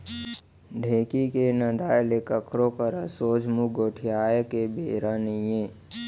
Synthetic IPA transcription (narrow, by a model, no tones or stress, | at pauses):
ɖʱeːkikenəd̪aːlekəkʰɾokəɾasoːd͡ʒmuɡoːʈʰijaːjkebeːɾaːnijeː